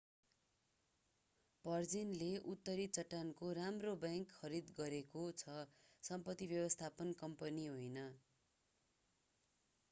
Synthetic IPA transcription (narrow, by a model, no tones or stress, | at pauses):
pʌrd͡zinleʔut̪ːʌɾit͡sʌʈːankoɾamrobjaŋkʰːʌɾid̪ɡʌɾekot͡sʰʌsʌmpʌt̪ːibjʌbʌst̪ʰapʌnkʌmpʌniɦojnʌ